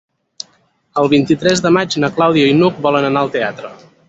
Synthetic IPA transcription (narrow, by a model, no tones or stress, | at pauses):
əlˠβint̪it̪ɾɛzðəmad͡ʒnəklawðiəinuk̚bɔlənənaəlˠt̪eat̪ɾə